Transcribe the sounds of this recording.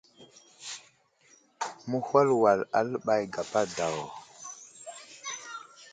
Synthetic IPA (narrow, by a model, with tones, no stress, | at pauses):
mu˦hwa˦lwa˨la̰˦lɓa˨jɡa˨pa˦da˨wɔ˨